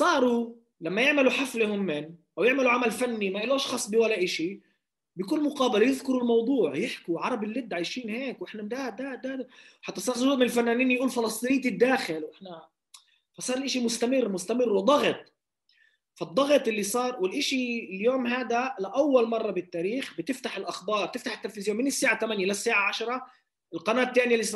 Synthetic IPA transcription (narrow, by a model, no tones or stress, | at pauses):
sˤɑːɾˤu | lamːajɪʕmaluħafleɦʊmːɪnʔawjɪʕmaluʕamalfanːimaʔɪloːʃxɑːsˤbiːwalːaʔɪʃi | bɪkʊlːmʊqɑːbalajɪðkʊɾʊlmɑwd̪ˤuːʕjɪħkuʕɑɾˤɑbɪlːɪd̪ːʕajʃiːnheːkwʔɪħnamd̪ad̪ad̪ad̪wħat̪ːasˤɑːɾˤs̬ˤʊʒuːʔ̪mɪnɪlfanːaːniːnjʔuːlfɑlɑsˤt̪ˤiːniːt̪ɪd̪ːaːxɪlwʔɪħna | fasˤɑːɾɪlʔaʃimʊst̪amɪrːmʊst̪amɪrːwɪd̪ˤɑɣɑt̪̚ˤ | fɑd̪ˤːɑɣɑt̪ˤʔɪlːisˤɑːɾˤwɪlʔɪʃiljoːmɦaːd̪alɪʔawːalmɑrˤːɑbɪt̪ːaːɾiːxbɪt̪ɪft̪aħɪlʔaxbɑːɾˤt̪ɪft̪aħɪt̪ːɪlfɪzjoːmɪnɪsːaːʕat̪ːamanjalasːaːʕaʕaʃɑɾˤɑ | ɪlqɑnaːt̪ːaːnjalːi